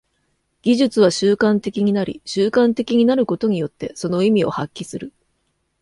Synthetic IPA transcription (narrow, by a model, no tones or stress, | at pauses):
ɡ̥ʲiʑɨt͡sɨβ̞aɕɨːkãnt̪e̞kʲiɲ̟inaɾʲḭɕɨːkãnt̪e̞kʲiɲ̟inaɾɯ̟ko̞t̪o̞ɲ̟ijo̞t̪ːe̞so̞no̞imʲio̞̰hakʲːisɨɾɯ̟